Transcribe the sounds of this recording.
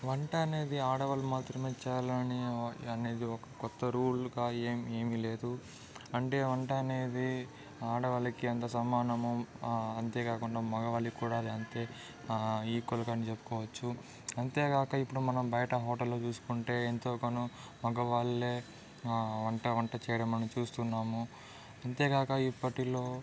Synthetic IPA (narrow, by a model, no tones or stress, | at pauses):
ʋɐɳʈɐɐne̞ːd̪iaːɽɐʋɐlumaːt̪ɾɐme̞ːt͡ʃɛːjlɐɐniɐne̞ːd̪iɔkɐkɔt̪ːɐɾuːlɡaːeːme̞ːmile̞ːd̪u | ɐɳʈe̞ːʋɐɳʈɐːne̞ːd̪i | aːɽɐʋɐlɐkiɐnt̪ɐsɐmaːnɐmuɐnt̪e̞ːkaːkuɳɖaːmɐɡɐʋɐɭikuːɽaːd̪iɐnt̪e̞ː | iːkolɐkɐnit͡ʃepːu̥kɔːʋɐt͡ʃːu | ɐnt̪e̞ːɡaːkɐipːuɽumɐnɐmbɐjɐʈɐɦɔːʈɐlːoːt͡ʃuːsu̥kuɳʈe̞ːent̪oːkɐnu | mɐɡɐʋaːɭːeː | ʋɐɳʈɐʋɐɳʈɐt͡ʃɛːjɐɽɐmːɐnɐmt͡ʃuːst̪unːaːmu | ɐnt̪e̞ːɡaːkɐipːɐʈilo̞ː